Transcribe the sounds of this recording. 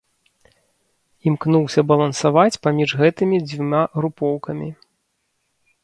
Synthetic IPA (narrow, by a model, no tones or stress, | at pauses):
imknuwsʲɐbɐlˠɐnsavat͡sʲpamʲiʐɣɛt̪ɨmʲid͡zʲvʲumʲaɣɾupɔwkɐmʲi